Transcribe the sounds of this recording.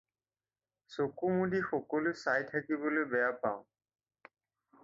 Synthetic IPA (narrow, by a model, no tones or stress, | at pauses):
sokumudixɔkɔlosajtʰakibolojbɛjapaʊ̃